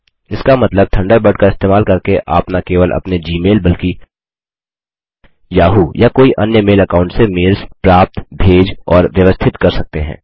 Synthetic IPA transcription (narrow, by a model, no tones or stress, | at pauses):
ɪskamɐt̪ləb̚t̪ʰɐ̃ɳɖəɾbəɖ̚kaɪst̪eːmaːlkɐɾkeʔa̰ːpnakeːʋəlʔɐ̰pned͡ʒiːmeːlbɐlki | jaːɦujakoːiʔɐnjəmeːlɐkaːʊ̃ɳʈsemɪɾzpɾaːp̚t̪bʱeːd͡ʒɔːɾʋjəʋəst̪ʰɪt̪kɐɾsɐk̚t̪eɦɛ̰̃ː